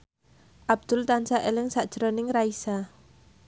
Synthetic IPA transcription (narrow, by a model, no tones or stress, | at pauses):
ʔab̚d̪̥ʊlt̪ansaʔelɪŋsaʔd̥ʒ̥əɾonɪŋraisa